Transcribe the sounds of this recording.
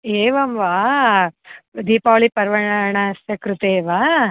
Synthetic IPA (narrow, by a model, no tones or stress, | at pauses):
eːʋɐmʋaː | d̪iːpaːɭipɐɾʋɐɳɐɳɐsɐkɾut̪eːʋa